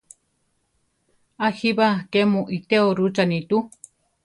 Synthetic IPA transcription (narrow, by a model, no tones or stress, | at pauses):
ahiβakemũʔit̪eoɾut͡ʃanĩt̪u